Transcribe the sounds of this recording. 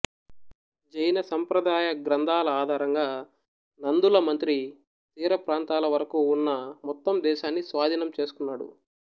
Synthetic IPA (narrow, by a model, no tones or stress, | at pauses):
d͡ʒɐjɐnɐsɐmpɾɐd̪aːjɐɡɾɐnd̪ʱaːlɐaːd̪ʱaːɾɐŋɡaː | nɐnd̪ulɐmɐnt̪ɾi | t̪iːɾɐpɾaːnt̪aːlɐʋɐɾɐkuːnːɐmɔt̪ːɐmd̪ɛːʃaːnːisʋaːd̪ʱinɐmt͡ʃe̞ːsu̥kunːaːɽṵ